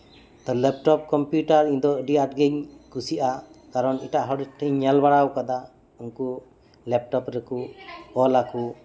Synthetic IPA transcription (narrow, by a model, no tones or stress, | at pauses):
t̪ɔlɛp̚ʈɔp̚kɔmpjuʈaɾiɲd̪ɔɖiaʈ̚ɡɛɲkusiʔakaɾɔniʈaʔɦɔɽɛʈʰɛɲɲalbaɽawkad̪a | uŋku | lɛp̚ʈɔpɾɛkuɔlaku